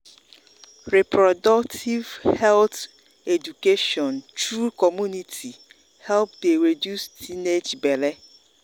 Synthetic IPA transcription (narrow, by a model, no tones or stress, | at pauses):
ɾɛpʰɾɔdɔktʰivhɛlt | edukeʃɔ̃ntʰɾukʰɔmjũnitʰi | hɛlp̚deɾedjustined͡ʒbɛlɛ